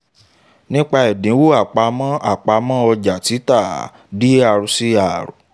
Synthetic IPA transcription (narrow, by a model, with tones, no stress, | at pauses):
nĩ˦k͡pa˧ɛ˨dĩ˨˦wo˦a˨k͡pa˧mã˦a̰˨k͡pa˧mã˦ɔ˧d͡ʒa˨ti˨˦ta˦˨ | di˦a˨ɾu˨˧si˦a˨ɾṵ˨